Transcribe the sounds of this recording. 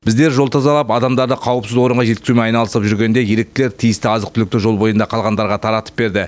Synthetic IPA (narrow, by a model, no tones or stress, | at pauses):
bɪzd̪e̞ɾʒo̞lˠt̪ʰɑzɑlˠɑpɑd̪ɑmd̪ɑɾd̪əqʰɑwəpsɪzwo̞ɾəɴʁɑʒe̞t̪kʲɪzumeɑjnɑlˠəsəpʒʏɾɡʲe̞nd̪e̞je̞ɾe̞k̚t̪ɪle̞ɾt̪ʰijɪst̪ɪɑzəqt̪ʰʏlɪk̚t̪ɪʒolˠbo̞jənd̪ɑqʰɑlˠʁɑnd̪ɑɾʁɑt̪ʰɑɾɑt̪ə̥p̚be̞ɾd̪ɪ